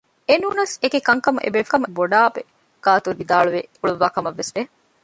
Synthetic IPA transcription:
enuːnɐsekekɐŋkɐmṵʔḛbefkɐmuboɖaːbe | ɡ̥aːt̪uɾʋid̪aːɭuʋeuɭuʋaːkɐmɐʋːesʋe

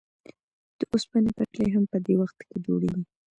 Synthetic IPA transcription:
d̪̥əʔospanepəklejɦampəd̪ewaxt̪ked͡ʒoɽḛwi

